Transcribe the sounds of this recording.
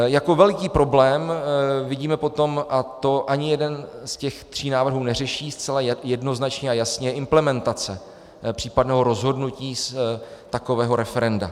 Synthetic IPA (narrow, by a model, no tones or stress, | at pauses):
jako̞vɛlkiːpɾo̞blɛːmvɪɟiːmɛpot̪o̞mʔat̪o̞ʔaɲɪjɛdɛnscɛxt̪r̝̥iːnaːvr̩ɦuːnɛr̝ɛʃiːst͡sɛlajɛdno̞znat͡ʃɲɛajasɲɛʔɪmplɛmɛnt̪at͡sɛ | pr̝̥iːpadnɛːɦo̞ɾo̞zɦo̞dnuciːst̪ako̞vɛːɦo̞ɾɛfɛɾɛnda̰